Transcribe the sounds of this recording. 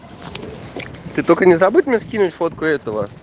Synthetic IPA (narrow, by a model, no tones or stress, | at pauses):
t̪ɨt̪okənʲɪzabut̪̚ʲmnʲeskʲinʊtʲfot̪kʊɛt̪əvə